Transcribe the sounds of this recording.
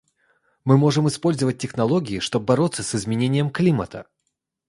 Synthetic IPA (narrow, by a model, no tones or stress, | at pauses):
mɨmo̞ʐɨmɨspo̞lʲzəvət̚ʲːɪxnɐlˠo̞ɡʲɪɪʂt̪o̞b̚bɐɾo̞t̪sːəsɨzmʲɪnʲenʲɪjəmklʲimət̪ə